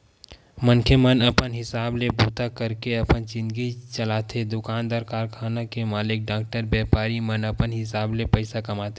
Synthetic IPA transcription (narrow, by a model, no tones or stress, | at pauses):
mənkʰemənəpənɦɪsaːblebʱuːt̪akəɾkeəpənd͡ʒɪ̃nd̪ɡit͡ʃəlaːt̪ʰed̪ʊkaːnd̪əɾkaːɾkʰaːnakemaːlɪk̚ɖaːk̚ʈəɾbɛːpaːɾimənəpənɦɪsaːblepəɪsakɐmaːt̪e